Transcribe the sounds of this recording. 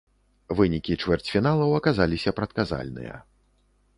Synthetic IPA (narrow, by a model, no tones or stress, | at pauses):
vɨnʲikʲit͡ʂvʲɛrt͡sʲfʲinalˠɐwɐkazalʲisʲɐpɾɐt̪kaza̰lʲnɨ̰jɐ̰